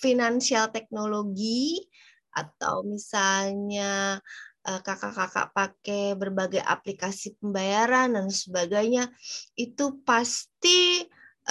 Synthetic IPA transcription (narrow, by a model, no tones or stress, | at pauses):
finansialt̪ɛk̚noloɡi | ʔa̰t̪a̰wmisalɲa | ʔəkaka̰kaka̰ʔpakebərbaɡajʔa̰plikasipəmbajaɾandansəbaɡajɲait̪upast̪i